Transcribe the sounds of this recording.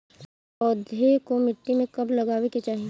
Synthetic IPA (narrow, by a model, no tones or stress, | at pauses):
ɔːd̪ʱekomɪʈːimẽkɐblɐɡaːʋeket͡ʃaːɦi